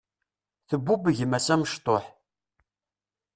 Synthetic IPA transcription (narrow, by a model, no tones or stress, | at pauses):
θəbːubəʝəmæsæməʃt̪ˤoħ